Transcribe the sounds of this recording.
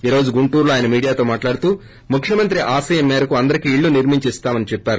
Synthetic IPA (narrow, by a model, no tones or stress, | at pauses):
iːɾo̞ːd͡ʒuɡuɳʈuːɾloaːjɐnɐmiːɽijaːt̪o̞ːmaːʈlaːɽut̪uː | mukʰjɐmɐnt̪ɾiʔaːsɐːjɐmːeːɾɐkuɐnd̪ɐɾikiːɭːuniɾmiɲt͡ʃist̪aːmɐnit͡ʃɛpːaːɾu